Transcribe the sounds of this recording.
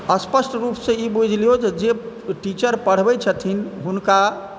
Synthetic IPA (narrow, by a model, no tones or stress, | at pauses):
əspəsʈɾupsẽibud͡ʒʱlijod͡ʒed͡ʒe | ʈit͡ʃəɾpəɽ̤bɛt͡ʃʰət̪ʰinɦunka